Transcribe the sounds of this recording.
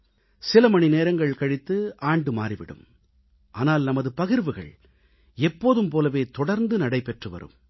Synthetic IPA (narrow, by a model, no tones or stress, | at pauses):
sɪlɐmɐɳineːɾɐŋɡɐɭkɐɽɪt̪ːɯaːɳɖɯma̰ːɾiʋɪ̰ɽɯ̰m | ʔaːnaːlnɐmɐðɯpɐɣɪɾʋɯɣɐ̰ɭ | ɛpːoːðɯmpoːlɐʋeːt̪ɔɽɐɾnd̪ɯnɐɽɐɪpːɛʈrɯʋɐ̰ɾɯ̰m